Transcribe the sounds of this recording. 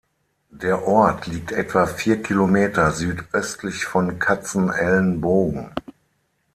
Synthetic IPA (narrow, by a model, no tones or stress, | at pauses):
d̥eːɐʔɔɐtʰliːk̚tʔɛtv̥afiːɐkʰilomeːtɐzyːtʔœstʰlɪçfɔnkʰat͡sn̩ɛlnboːɡŋ̩